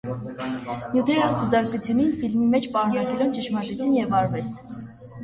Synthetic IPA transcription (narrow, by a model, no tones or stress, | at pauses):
njut̪ʰɛɾɑχuzɑɾkut͡sʰjuninfilmimɛt͡ʃʰpɑɾkɑɾkɛɾɔnt͡ʃəʃmɑɾʒɛt͡sʰinjɛvɑɾvɛst̪ʰ